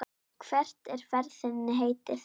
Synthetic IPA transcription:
kʰv̥ɛr̥t̪ɛɾ̥fɛɾθɪnːɪɦeːjt̪ɪθ

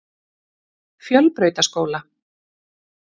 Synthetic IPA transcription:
fjœlpɾœɥt̪askoːwla

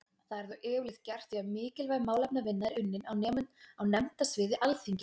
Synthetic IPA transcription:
θaðɛɾθœwʔɛːʏlɪxθt̪car̥t̪fiamɪːcɪlvajɣmaːwlap̚navɪnːaðɪɾʏnːɪnawnɛːmʏnnawnɛmt̪asvɪːðɪʔalθiɲcɪ

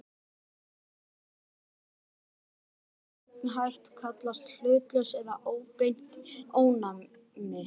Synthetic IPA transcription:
t̪nɦajht̪kʰat̪last̪l̥ʏːp̪lœsɛðaʔoːwpejn̥t̪oːwna | mɪ

